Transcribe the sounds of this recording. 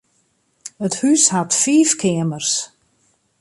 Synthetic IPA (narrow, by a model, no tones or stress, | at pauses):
əthyshatfiːfkʰɪəmərs